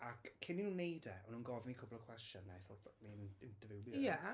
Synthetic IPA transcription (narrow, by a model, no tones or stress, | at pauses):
akʰːɪninunːejdɛɔnuːnɡɔvnikʰʊblˠɔkʰw̥ɛstɔnːaθɔninnd̥əvɪwlˠjja